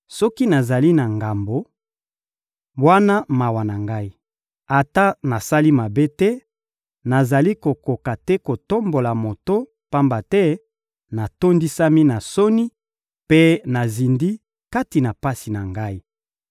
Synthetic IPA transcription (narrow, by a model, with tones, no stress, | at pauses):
sɔ˦ki˦na˨za˨li˦na˨ŋɡa˨mbo˨ | bwa˦na˦ma˨wa˨na˨ŋɡa˦i˦ | a˨ta˦na˨sa˦li˦ma˨be˦tɛ˦ | na˨za˨li˦ko˨ko˨ka˨tɛ˦ko˨to˦mbo˨la˨mo˨to˦ | pa˦mba˨tɛ˦ | na˨to˦ndi˦sa˦mi˦na˨so˦ni˦ | pe˦na˨zi˨ndi˦ | ka˦ti˨na˨pa˦si˨na˨ŋɡa˦i˦